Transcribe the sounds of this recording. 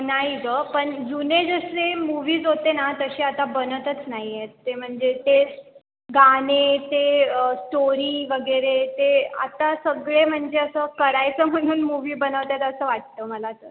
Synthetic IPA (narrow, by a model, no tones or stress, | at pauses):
naɦidəpəɳd͡zuned͡zəslemuʋiːd͡zɦot̪enat̪əɕiːat̪abənət̪ət͡snaɦijet̪t̪ːem̤əɳd͡zet̪e | ɡanet̪esʈoɾiːʋəɡəɾet̪ea̰t̪asəɡɭem̤əɳd͡zeəsəːkəɽajt͡səːm̤əɽ̃uːnmuʋiːbənəʋt̪jat̪əsəːʋaʈ̚t̪əːməlatəɾ